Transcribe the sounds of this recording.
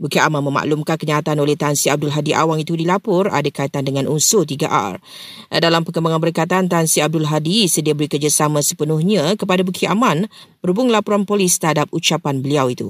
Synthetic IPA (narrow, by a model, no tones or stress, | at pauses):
bukiamãnmə̃ma̰ʔlumkankəɲaːt̪anolɛht̪ansiab̚dʊlɦadiʔa̰waŋit̪udilapʊra̰dakait̪andəŋãnʔunsʊlt̪iɡaʔa̰r | dalampəkəmbaŋanbəɾikat̪ant̪ansiab̚dʊlɦadisədiabəɾikərd͡ʒasamãsə̥pənʊhɲãkəpadabukʰiʔamãnbəɾubʊŋlapuɾanpolɪst̪əɦadap̚ut͡ʃapanbəliawit̪ṵ